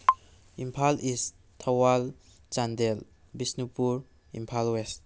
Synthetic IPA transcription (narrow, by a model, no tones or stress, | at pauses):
impʰalis | tʰːawal | t͡ʃandel | bisnipuɾ | ḭmpʰalwest̚